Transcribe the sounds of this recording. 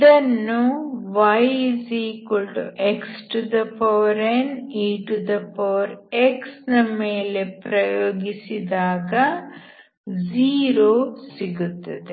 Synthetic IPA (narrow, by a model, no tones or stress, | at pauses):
d̪ɐnːuʋɐjziːkoɭʈuʔeksʈud̪ɐpʰɐʋɐɾeniːʈud̪ɐpɐʋɐɾeksnɐmeːle̞pɾɐjoːɡisid̪aːɡɐ | ziːɾoːsiɡut̪ːɐd̪e